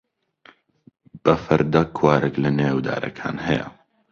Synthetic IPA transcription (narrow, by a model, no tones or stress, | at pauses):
b̥ɐfɐɾd̪ɐkʰwaːɾʔɛklɐnewd̪a̰ːɾʔɐ̰kʰa̰ːnɦɛjɐ̰